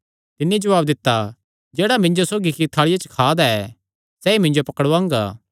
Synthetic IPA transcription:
t̪ɪnːid͡ʒɐʋaːb̚d̪ɪt̪ːa | d͡ʒɛːɽamɪ̃ɲd͡ʒosoːɡikit̪ʰaːɭɪjat͡ʃə̥kʰaːd̪aɛː | sɛːimɪ̃ɲd͡ʒopɐkəɽʋãːŋɡa̰ː

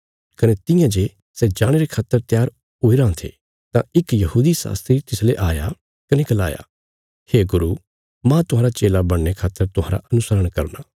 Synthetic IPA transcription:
kɐnet̪ɪ̃jãd͡ʒe | sɛd͡ʒaːɽ̃eɾekʰaːt̪ːəɾt̪jaːɾ | ɦoːiɾãːt̪ʰḛ | t̪ãɪkjɐɦuːd̪isa̰ːst̪ɾit̪ɪsleʔaːja̰ | kɐnekɐla̰ːja̰ | heːɡʊɾu | mãt̪ʊɦaːɾat͡ʃeːlabɐɽːekʰaːt̪ːəɾt̪ʊɦa̰ːɾa̰ʔɐnʊsəɾəɽ̃kɐ̰ɾnaː

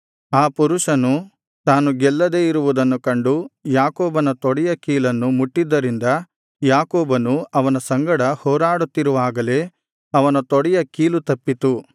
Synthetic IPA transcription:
aːpuɾuʂɐnu | t̪aːnuɡɛlːɐd̪e̞ːiɾuʋud̪ɐnːukɐɳɖujaːkoːbɐnɐt̪ɔɽɛjɐkiːlɐnːumuʈːid̪ːɐɾind̪ɐ | jaːkoːbɐnuɐʋɐnɐsɐŋɡɐɽɐhɔːɾaːɽut̪ːiɾuʋaːɡɐle̞ː | ɐʋɐnɐt̪ɔɽɛjɐkiːlut̪ɐpːit̪u

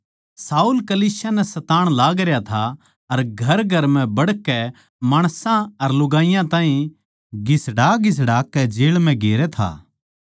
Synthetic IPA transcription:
saːuːlkɐliːsjanɛsɐt̪aːɽ̃laːɡɾjat̪ʰa | ɐɾɡʱɐɾɡʱɐɾmɛ̃bɐɽkɛ | maːɽ̃sãɐɾlʊɡaːijãt̪ãːɦĩ | ɡɪsɽaːɡɪs̬ɽaːkːɛd͡ʒeːɭmɛ̃ɡeːɾɛt̪ʰa̰ː

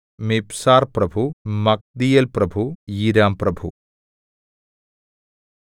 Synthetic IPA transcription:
mipsaːɾpɾɐbʱumɐk̚d̪ijɐlpɾɐbʱujiɾaːmpɾɐbʱṵ

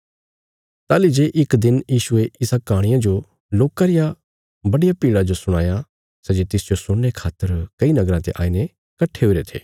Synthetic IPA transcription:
t̪aːlid͡ʒeːʔɪkd̪ɪnjiːʃʊeɪsakaːɽ̃ɪjãd͡ʒo | loːkaɾɪja | bɐɽɪjapiːɽad͡ʒosʊɽ̃a̰ːja | sɛd͡ʒet̪ɪsd͡ʒosʊɽːekʰaːt̪ːəɾkɐinɐɡɾãt̪ḛʔa̰ːine | kɐʈʰːeɦoʊɾet̪ʰḛː

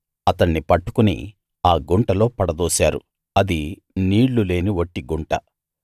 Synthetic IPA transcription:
ɐt̪ɐɳːipɐʈːu̥kunḭ | aːɡuɳʈɐlo̞ːpɐɽɐd̪oːsaːɾṵ | ɐd̪i | niːɽlule̞ːniʋoʈːiɡuɳʈɐ̰

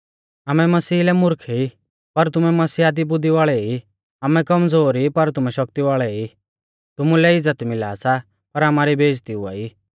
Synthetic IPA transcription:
aːmɛmɐsiːlɛmʊɾkʰei | pɐɾt̪ʊmɛmɐsiːaːd̪ibʊd̪iʋaːɭɛi | aːmɛkɐmd͡zoːɾipɐɾt̪ʊmɛʃɐk̚t̪iʋaːɭɛi | t̪ʊmulɛɪd͡zːət̪mɪla̰ːsa | pɐɾaːmaːɾibʱeːd͡ʒt̪iʊa̰ːi

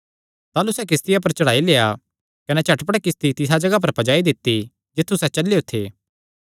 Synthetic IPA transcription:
t̪aːlusɛk̬ɪst̪ɪjap̬ɐɾt͡ʃɐɽaːileːja | kɐnɛt͡ʃʰɐʈpəɽɛkɪst̪it̪ɪsad͡ʒɐɡap̬ɐɾpɐd͡ʒaːid̪ɪt̪ːi | d͡ʒɪt̪ʰːusɛt͡ʃɐlːejot̪ʰeː

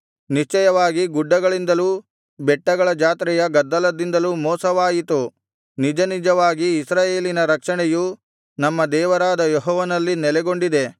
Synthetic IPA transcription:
niʃt͡ʃɛjɐʋaːɡiɡuɖːɐɡɐɭind̪ɐlu | bɛʈːɐɡɐɭɐd͡ʒaːt̪ɾɛjɐɡɐd̪ːɐlɐd̪ind̪ɐlumɔːsɐʋaːjit̪u | nid͡ʒɐnid͡ʒɐʋaːɡiːsɾaːje̞ːlinɐɾɐkʂɐɳɛju | nɐmːɐd̪ɛːʋɐɾaːd̪ɐjɔɦɔːʋɐnɐlːinɛlɛɡo̞ɳɖid̪e̞

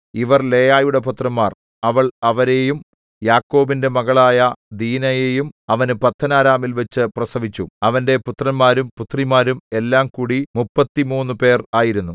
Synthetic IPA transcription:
iʋɐrle̞ːjaːjuɽe̞put̪rɐnmaːr | ɐʋɐɭɐʋɐɾe̞jum | jaːkːo̞ːbinde̞mɐɣɐɭaːjɐd̪iːnɐje̞jumɐʋɐnɨpɐt̪ʰːɐnaːɾaːmilʋet͡ɕːɨprɐsɐʋit͡ɕːuɐʋɐnde̞put̪rɐnmaːɾumput̪rimaːɾume̞lːaːmkuːɽimupːɐt̪ːimuːnːɨpe̞ːraːjiɾunːu

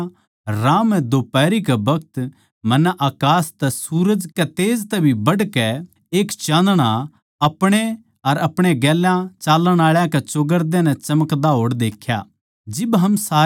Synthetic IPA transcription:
ɾãːmɛ̃d̪oːpɛːɾikɛbɐɡt̪ | mɐnːɛʔaːkaːst̪ɛsuːɾəd͡ʒkɛt̪eːd͡ʒt̪ɛbʱibɐɽkɛ | eːkt͡ʃãːnd̪ɽ̃a | ɐpɽ̃e | ɐɾɐpɽ̃eɡɛːlãt͡ʃaːlːəɽ̃aːɭjãkɛt͡ʃoɡəɾd̪ɛ̃nɛ̃t͡ʃɐməkd̪aɦoːɽd̪eːkʰja̰ | d͡ʒɪbɦɐmsaː

